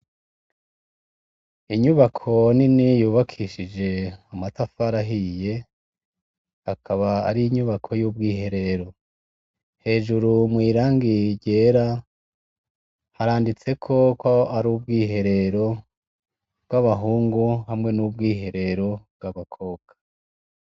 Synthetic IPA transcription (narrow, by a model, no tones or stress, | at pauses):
iɲuβakʰo̞ninijuːβakʰiʃid͡ʒe̞amatafaɾaɦije̞ | akʰaβaa̰ɾiɲuβakʰo̞juːb̚ɡiːɦe̞ɾe̞ɾo̞ | he̞ːʒuɾumwiːɾaːŋɡiɟe̞ːɾa | haɾaːndit͡se̞kʰo̞koaɾuːbɡiːɦe̞ɾe̞ɾo̞ | b̥ɡaβaɦuːŋɡuɦamŋe̞nubɡiːɦe̞ɾe̞ɾo̞b̚ɡaβakʰo̞ːkʰḁ